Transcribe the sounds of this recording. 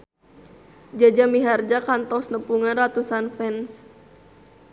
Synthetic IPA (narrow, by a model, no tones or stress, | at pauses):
d͡ʒad͡ʒamiɦard͡ʒakant̪ɔsnəpuŋanrat̪usanfɛns